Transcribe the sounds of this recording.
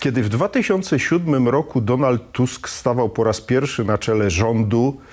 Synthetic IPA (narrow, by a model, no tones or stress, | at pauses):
kʲjɛd̪ɘvd̪vat̪ɘɕɔnt̪sɛɕud̪mɘmɾɔkud̪ɔnalt̪ːuskst̪avawpɔɾaspʲjɛɾfʂɘnat͡ʂɛlɛʐɔnd̪u